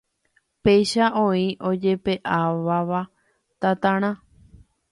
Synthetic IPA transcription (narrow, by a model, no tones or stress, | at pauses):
pe̞jʃaʔõĩʔo̞d͡ʒe̞pe̞ʔaʋaʋa | t̪at̪ãɾ̃ã